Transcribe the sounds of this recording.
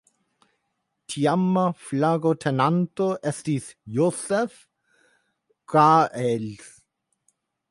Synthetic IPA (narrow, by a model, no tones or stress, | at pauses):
tʰiamːaflaɡotʰɛnantoʔɛstiːθjoːsɛf | ɡ̥aʔɛls